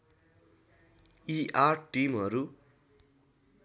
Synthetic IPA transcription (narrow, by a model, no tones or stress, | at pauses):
iʔarʈimɦʌɾu